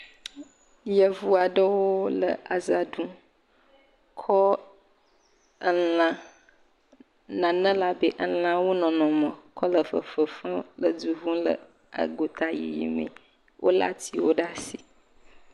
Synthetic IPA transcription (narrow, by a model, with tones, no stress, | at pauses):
jə˨vu˦a˨ɖə˦wo˦lə̰˨a˨za˨dũ˦ | kʰɔ˦ | ə˨lã˨ | nã˨nə̃˦la˦be˦ʔə˦lã˦wo˦nɔ̃˨nɔ̃˨mə̃˨kʰɔ˦lə˨fə̰˨fə˨fə̃˦lə˨d͡ʒu˨vũ˦lə̰˨ | a̰˨ɡo˨t̪a˨jḭ˨jḭ˨mḛ̃˨ | wʔo̰˦la̰˦t̪i˦wo˦ɖa˦si˨